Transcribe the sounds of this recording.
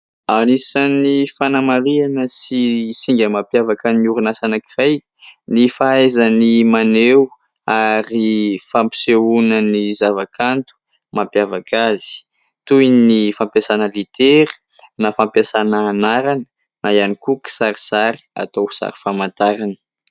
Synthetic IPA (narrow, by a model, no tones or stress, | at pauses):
anisanifanamaɾianəsisiŋɡʲəmapjavakaniuɾunasanəkiraj | nifaezanimanew | aɾifampi̥seunənizavakʰant̪u̥ | mampjavakʰazi̥ | t̪ujnifampjasanəlit̪eɾi̥ | nafampasanəːnaɾanə̥ | najanikuki̥saɾisaɾi̥a̰t̪owsa̰ɾi̥famant̪aɾanə̥